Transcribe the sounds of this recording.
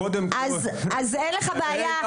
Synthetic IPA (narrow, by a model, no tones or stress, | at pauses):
od̪emazazenleχabeaja